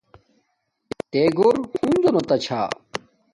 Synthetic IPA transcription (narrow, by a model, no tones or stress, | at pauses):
t̪eːɡoːɾhund̪onot̪ɐt͡ɕʰa̰ː